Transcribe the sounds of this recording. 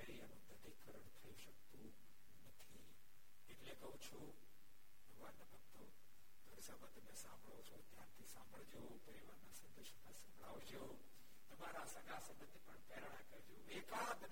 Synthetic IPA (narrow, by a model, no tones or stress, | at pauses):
əɾianũt̪əd̪ikʰəɾəɳt̪ʰɐjũʃək̚t̪ũ | nət̪ʰi | eʈlekɐɦũt͡ʃʰu | oʋanebək̚t̪o | d̪ʱəɾisabat̪ɐmẽsã̰mbʱəɭot͡ʃʰot̪jãnt̪ʰisã̰mbʱəɭd͡ʒopɐɾiʋaɾnasɐ̃nd̪əʃmãsɐ̃mbʱɭa̰ʋd͡ʒo | t̪ɐmaɾasəɡasə̃mbət̪ːipəɳpɛɾɳakəɾd͡ʒoʋekad̪